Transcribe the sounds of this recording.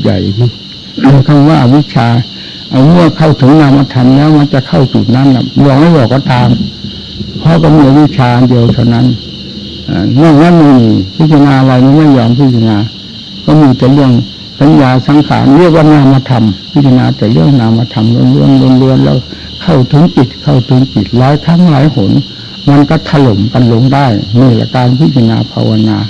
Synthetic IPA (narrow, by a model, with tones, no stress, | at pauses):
ja̰˨˩j | kʰa˧˩mwaː˧˨wi˧˥t̪̚t͡ɕʰaː˧ | ʔa˧wmɯ˧˩˨əkʰa˧˩wt̪ʰɯ˨˦ŋnaː˧˩mːaː˧t̪ʰa˧mlɛː˦˥˩wma˧˥nt͡ɕa˨˧˨kʰa˧˩wt͡ɕu˨˩t̪̚na˧˥˨nla̰˧˩bɔː˨˩k̚ma˧˥˨jbɔː˨˩kːɔː˧˥˦t̪aː˨˧m | pʰɔ˧˥˨kɔ˧˩miː˧a˧wi˦˥˩t̪̚t͡ɕʰaː˧ʔa˧ndi˧əwt̪ʰa˧wna˧˥˨n | ʔa̰ː˧˩na˧˩na˧˥˨n˧pʰɯ˧˩t̪̚sʰa˧naː˧ʔa˧la˧jma˧˥˨nma˧˥˩jɔː˧˩ŋpʰɯ˧˩t̪̚sʰa˧˨naː˧ | kɔː˧˩˨miː˧˩t̪ɛː˨˩lɯ˥˨əŋ | sa˨˦njaː˧sa˨˦ŋkʰa̰ː˨˦nli˥˩˨ək̚waː˧˨naː˧˩mːa˧t̪ʰa˧mp̪̚ʰːsʰa˧naː˧t̪ɛː˨˩lɯ˧˥˩əŋnaː˧˩mːa˧t̪ʰa˧mlo˧˥˨nlu˧˥ə˨nlo˧˨nlu˧˥ənlɛ̰˧˩w | kʰa˧˩wt̪ʰu˧˦npi˨˩t̪̚kʰa˧˩wt̪ʰɯ˧˦npi˨˩t̪̚laː˨˦jt̪ʰa˧˥˨ŋlaː˨˦jho˨˦n | ma˧˨nka˧˩t̪ʰa˧lo˨˦mka˧˨nlo˧ŋdaː˧˥˩jmiː˧˩la̰˧˩kaː˧˨npʰɯ˧˩t̪̚t͡ɕʰa˧na̰ː˧pʰa̰˧wa˧naː˧